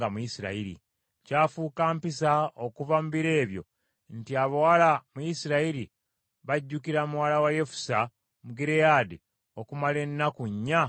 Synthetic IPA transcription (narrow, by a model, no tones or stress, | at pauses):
ɡamujisiɾa̰iɾḭ | caːfuːkaːmpisaokuvamuβiɾe̞ːβjo̞̰ | ntiaβowalamujisiɾaiɾi | βaɟːukiɾamuwalawaje̞fu̥sa | muɡiɾejadi | o̞kumale̞nːakuɲːa